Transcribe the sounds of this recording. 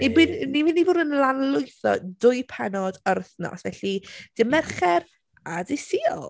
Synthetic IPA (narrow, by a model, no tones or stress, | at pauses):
nibinnivɪnːivʊːdənlˠanlˠʊɨθɔ̰dʊɨjpʰɛnɔdəɾəθnɔ̰svɛɬid̥ɪmɛrχɛɾ | adɪsiɔ̰lˠ